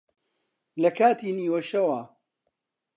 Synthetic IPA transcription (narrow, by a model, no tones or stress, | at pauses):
lɐkʰaːt̪ʰiːniːwɐʃɐwɐ